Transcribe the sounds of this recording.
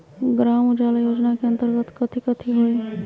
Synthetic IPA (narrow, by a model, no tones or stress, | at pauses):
ɡɾaːmʊd͡ʒaːlajoːd͡ʒnakeɐ̃nt̪əɾɡət̪kɐt̪ʰikɐt̪ʰiɦoe